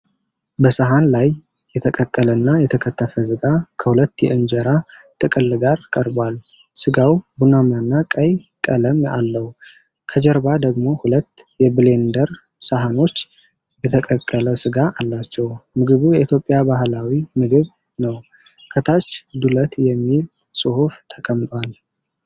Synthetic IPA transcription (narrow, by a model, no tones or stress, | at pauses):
bəsaɦanlajː | ɛt̪ʰəkʼəkʼːələnːajɛt̪ʰəkʰət̪ːəfəsɨɡakʰəhulət̪ːjɛ̰ʔɨnd͡ʒəɾat̪ʰʼɨkʼɨlɡaɾkʼəɾbwal | sɨɡawbunamanːakʼəj | kʼələma̰lːəhu | kʰəd͡ʒɛɾbad̪əɡmo̞hulət̪ːjɛbɨle̞nd̪əɾ | saɦano̞t͡ʃː | bət̪ʰəkʼəkʼːələsɨɡaʔalːat͡ʃːɛwmɨɡɨβujɛʔit̪ʰjo̞pʼːjabahlawimɨɡɨβ | nəw | kʰət̪ʰat͡ʃːd̪ulət̪jɛmːil | sʼɨhuft̪ʰəkʼəmt̪ʼwal